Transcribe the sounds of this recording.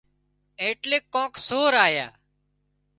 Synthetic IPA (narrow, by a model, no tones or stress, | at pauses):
eːʈleːkːõːksoːɾaːja̰ː